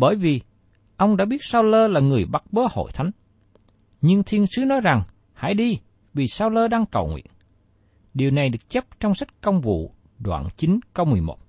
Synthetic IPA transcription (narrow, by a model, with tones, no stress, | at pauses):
ɓəː˧˩jvi˨˩ | ʔə˧wŋ͡mɗa̰ː˧˥ɓi˦˥ət̚saː˧wləː˧laː˨˩ŋɨ˨˩əjɓa˦˥t̚ɓəː˨˦ho̰˧˨jt̪ʰa˨˦jŋ̟ | ɲɨ˧ŋt̪ʰi˧ənsɨ˨˦nɔ˨˦jza˨˩ŋ | ha̰ː˧˥˨jɗi˧ | vi˨˩saː˧wləː˧ɗaː˧ŋkə̰˨˩wŋwḭ˧˨ən | ɗi˨˩wna˨˩jɗɨ˨˩ək̚t͡ɕə˦˥p̚t͡ɕɔ˧wŋ͡msa˦˥t̟̚kə˧wŋ͡mvṵ˧˨ | ɗwa̰ː˧˨nt͡ɕi˨˦nkə˧wmɨ˨˩əjmo̰˨˩t̚